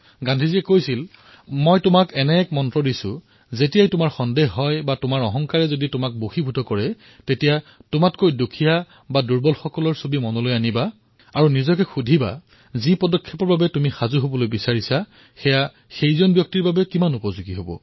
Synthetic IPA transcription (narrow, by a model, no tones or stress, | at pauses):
ɡandʱiziɛkojsil | mojtʊmakɛnɛɛkmɔntɹɔdisʊ̰ | zetijajtʊmaɹxɔndexɦɔjbatʊmaɹɔɦɔŋkaɹɛzoditʊmak̚boxibʱutɔkɔɹɛ | tetijatʊmatkojdukʰija | baduɹbɔlxɔkɔlɔɹsobimɔnɔlojaniba | aɹunizɔkɛxudʱiba̰ | zipɔdɔkʰːɛpɔɹbabɛtumixazuɦobɔlojbisaɹisa | xɛja | xejzɔnbjɔk̚tiɹbabɛkimanupɔzuɡiɦobɔ̰